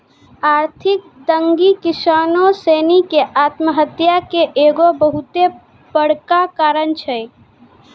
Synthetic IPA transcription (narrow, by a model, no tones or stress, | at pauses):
aːɾt̪ʰɪk̚ | d̪əŋɡikɪsaːnoseːnikeʔaːt̪məɦət̪jakeʔeːɡobəɦut̪e | bəɽ̤kakaːɾənt͡ʃʰɛ